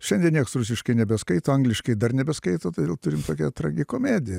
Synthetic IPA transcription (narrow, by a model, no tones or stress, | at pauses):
ʃʲɛnd̪ʲiɛnʲiɛksrʊsʲɪʃkɐɪnʲɛbʲɛskɐɪt̪oːɐŋɡlʲɪʃkɐɪd̪ɐrnʲɛbʲɛskɐɪt̪oːt̪od̪ʲeːlˠt̪ʊɾʲɪmt̪oːkʲɛt̪ɾɐɡʲɪkoːmʲeːd̪ʲɪjɛ